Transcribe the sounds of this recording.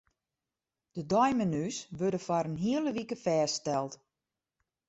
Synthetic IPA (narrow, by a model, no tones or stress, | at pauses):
d̥ədɔjmənysʋødəfaɾənɦiələʋikəfɛːstɛlˠt